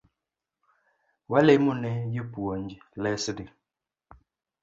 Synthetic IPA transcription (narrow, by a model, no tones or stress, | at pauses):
walɛmunɛjipuond͡ʒilɛsidi